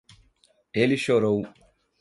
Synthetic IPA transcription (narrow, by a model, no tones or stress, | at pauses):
eliʃoɾow